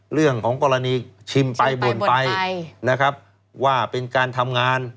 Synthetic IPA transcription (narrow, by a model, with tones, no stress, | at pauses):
ɾɯ˥˩əŋkʰɔː˩˦ŋkɔː˧ɾa˧niː˧t͡ɕʰi˧mpa˧jbo˨˩npa˧jna˦˥kʰɾa˦˥p̚ | waː˥˩pe˧nkaː˧nt̪ʰa˧mŋaː˧n